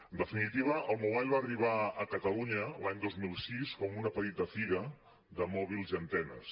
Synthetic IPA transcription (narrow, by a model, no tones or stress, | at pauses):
ənd̪əfinit̪iβ̞əʔəlˠmuβaʎβaːriβ̞aəkət̪əluɲəlaɲd̪ozmilˠsiskɔmunəpət̪it̪əfiɣə | ðəmɔβ̞ilˠziənt̪ɛnə̰s